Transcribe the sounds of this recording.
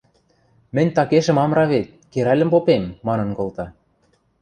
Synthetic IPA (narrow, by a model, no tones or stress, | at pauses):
mɘ̆nʲt̪ɑkeʃə̆mɑmɾɑβet̪̚keɾælʲə̆mpopemːɑnɤ̆nkŏlt̪ɑ